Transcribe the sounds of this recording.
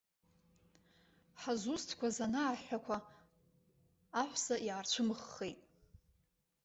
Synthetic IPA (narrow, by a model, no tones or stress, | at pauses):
ħazustʰkʷʰazanaːħʷakʷʰa | aħʷsaʔiʕart͡ɕʷʰɨmɨχːejtʼ